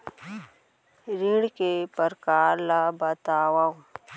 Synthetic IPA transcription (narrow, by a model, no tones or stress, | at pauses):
ɾiɽkepəɾkaːɾlabət̪aːwaw